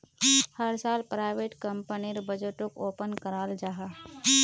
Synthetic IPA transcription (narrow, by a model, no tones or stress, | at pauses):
həɾsaːlpɾaːɪʋeːʈkɐmpəniɾbɐd͡ʒəʈõkoːpənkəɾaːld͡ʒaɦaː